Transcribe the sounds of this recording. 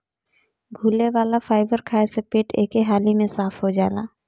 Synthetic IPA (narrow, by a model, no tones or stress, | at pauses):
ɡʱuːleʋaːlafaːɪbəɾkʰaːesepeːʈeːkeɦaːlimẽsaːpʰɦod͡ʒaːlaː